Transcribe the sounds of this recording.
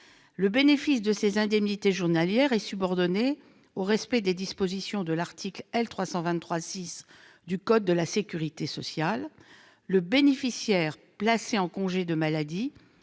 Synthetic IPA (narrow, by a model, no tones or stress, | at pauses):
ləbenefisd̪əsezɛ̃d̪ɛmnit̪eʒuʁnaljɛʁɛsybɔʁd̪ɔne | oʁɛspɛd̪ed̪ispozisjɔ̃d̪əlaʁt̪ʰiklɛlt̪χwasɑ̃vɛ̃nt̪ːχwasis | d̪ykɔd̪̚ːəlasekʲyʁit̪esɔsjalː | əbenefisjɛʁ | plaseɑ̃kɔ̃ʒed̪əmalad̪i